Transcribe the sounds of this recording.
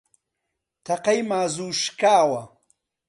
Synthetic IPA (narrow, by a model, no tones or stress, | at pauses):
t̪ʰɐqɐjmaːzuːʃkaːwɐ